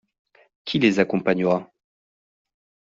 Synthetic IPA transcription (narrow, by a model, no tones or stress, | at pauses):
kʲʰilezakɔ̃paɲəʁa